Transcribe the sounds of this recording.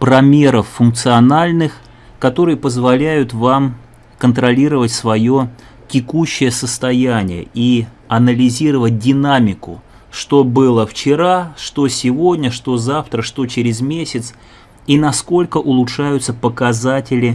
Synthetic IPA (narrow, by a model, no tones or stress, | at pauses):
pɾɐmʲe̞ɾəfːʊnk̚t̪sɨɐnalʲnɨx | kɐt̪o̞ɾɨjəpəzvɐlʲæjʊt̪vam | kənt̪ɾɐlʲiɾəvətʲsvɐjo̞ | tʲɪkuɕːɪjəsəst̪ɐjænʲɪjə̰i | ɐnəlʲɪzʲiɾəvət̚ʲdʲɪnamʲɪkʊ̰ | ʂt̪o̞bɨlˠəft͡ɕɪɾaʂt̪o̞sʲɪvo̞dʲnʲəʂt̪o̞zaft̪ɾəʂt̪o̞t͡ɕɪɾʲɪzmʲesʲɪt̪s | inɐsko̞lʲkəʔʊlˠʊtʂajʊt̪səpəkɐzatʲɪlʲɪ